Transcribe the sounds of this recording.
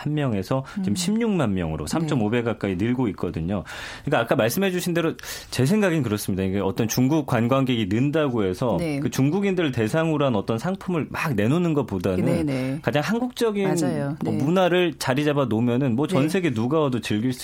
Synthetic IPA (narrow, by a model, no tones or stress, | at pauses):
ammjʌŋe̞sʰʌt͡ɕimɕʰimɲuŋmanmjʌŋɯɾo̰sʰamt͡ɕ͈ʌmobe̞ɡak̚k͈ainɯɭɡoit̚k͈ʌdɯɲo | ɯɯik͈aːk͈amaɭs͈ɯmɦe̞d͡ʑuɕʰinde̞ɾot͡ɕe̞s̬ʰe̞ŋɡaɡinkɯɾʌs͈ɯmɲidaikaʌt͈ʌnt͡ɕuŋɡuk̚k͈wanɡwanɡeɡinɯndaɡoɦe̞sʰʌkɯt͡ɕuŋɡuɡindɯɭte̞sʰaŋɯɾoɦanʌt͈ʌnsʰaŋpʰumɯɭmaɡne̞nonɯnɡʌt̚p͈odanɯnkad͡ʑaŋhanɡuk̚t͡ɕ͈ʌɡind͡ʑamʌmunaɾɯɭt͡ɕaɾid͡ʑabanomjʌnɯnmwʌt͡ɕʌnsʰe̞ɡenuɡaʌdot͡ɕɯɭɡiɭs͈